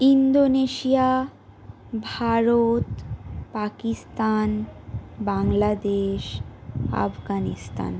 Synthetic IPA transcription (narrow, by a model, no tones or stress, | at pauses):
ind̪oneʃija | bʱaɾot̪pakist̪anbaŋlad̪eʃa̰fɡanist̪a̰n